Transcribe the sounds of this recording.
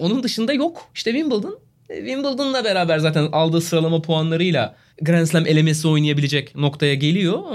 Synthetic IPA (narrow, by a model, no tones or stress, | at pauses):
o̞nund̪ɯʃɯnd̪ajo̞kiʃt̪ʰɛvimbɯlˠd̪ɯn | vimbɯlˠd̪ɯnlˠabe̞ɾaːbæɾzaːt̪ʰænalˠd̪ɯːsɯɾalˠamapʰoanlˠaɾɯjlˠa | ɡɾænslʲæme̞lʲe̞me̞s̬io̞jnijabilʲe̞d͡ʒɛcno̞kt̪ʰajaɟe̞lʲijo̞